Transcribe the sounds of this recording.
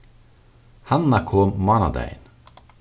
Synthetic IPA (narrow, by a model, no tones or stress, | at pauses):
hanakʰoːmmɑnɑ̰d̪æ̰ɪn